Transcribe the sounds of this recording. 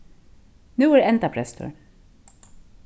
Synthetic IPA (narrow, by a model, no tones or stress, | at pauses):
nʉːæɹɛnt̪apʰɾɛst̪ʰœ̰ɹ